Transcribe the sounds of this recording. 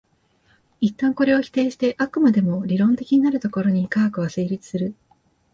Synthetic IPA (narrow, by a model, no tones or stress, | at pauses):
it̪ːãŋko̞ɾe̞o̞çʲi̥t̪e̞ːɕi̥t̪e̞ʔakɯ̟mad̪e̞mo̞ɾʲiɾõ̞nt̪e̞kʲiɲ̟inaɾɯ̟t̪o̞ko̞ɾo̞ɲ̟ikaːkɯ̟βaseːɾʲit͡sɨ̥sɨɾɯ̟